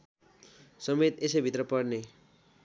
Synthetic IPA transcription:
sʌmet̪esʌjbʱit̪rʌpʌrne

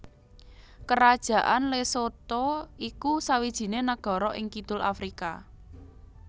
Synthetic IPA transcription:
kəɾad̥ʒ̥ä̤ʔanlesot̪ɔikusawid̥ʒ̥i̤nenaɡ̥ɔ̤ɾɔʔɪŋkid̪̥ʊ̤la̰fɾika̰

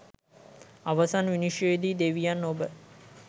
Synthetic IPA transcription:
aʋasanʋiniʃjoid̪id̪eʋijanːobə

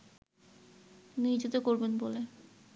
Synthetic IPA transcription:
nid͡ʑot̪okoɾbenbole

